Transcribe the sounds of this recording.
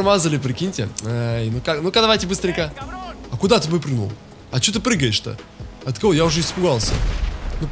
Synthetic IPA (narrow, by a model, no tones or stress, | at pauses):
mazəlʲɪpɾʲɪkʲinʲtʲɪ̰ajnukaknʊkad̪ɐvajtʲɪbɨst̪ɾʲɪŋʲkəɐkʊd̪at̪ɨbojpɾʲɨnṵlˠ | ɐt͡ɕot̪̬ɨpɾɨɡəjɪʂt̪ə̰ | ɐt̪kɐvojaʊʐɛɪspʊɡalˠsʲə̰nup